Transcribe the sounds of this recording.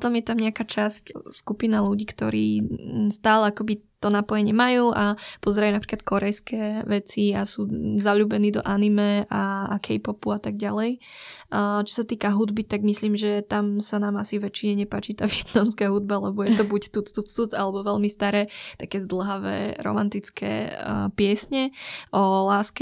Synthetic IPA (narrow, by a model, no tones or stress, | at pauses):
pt̪ɔmjɛt̪amɲɛakat͡ʃascskupinaluɟiːkt̪ɔ̰ɾḭːst̪aːlɛakɔbit̪ɔnapɔjɛɲɪɛmajuːʔapɔzɛɾajunapɾi̥klat̪̚kʰɔɾɛjskɛʋɛt͡siasuːzaʎuːbɛniːd̪ɔ̰ʔanimɛa̰kʰɛjpɔpuat̪aɡɟalɛj | t͡ʃɔ̥sat̪iːkaɦud̪bit̪aɡmisliːmʒɛt̪amsanaːmasiʋɛt͡ʃiɲɛɲɛpaːt͡ʃit̪aːʋɪɛt̪namskaɦud̪̚balɛbɔjɛt̪ɔbuct̪ut͡st̪ut͡st̪ut͡salɛbɔʋɛʎmist̪aɾɛːt̪akɛːzd̪l̩ˠɦaʋɛ̰ːɾɔ̰mant̪it͡skʰɛ̰ːpɪɛsɲɛʔɔlaːskɛ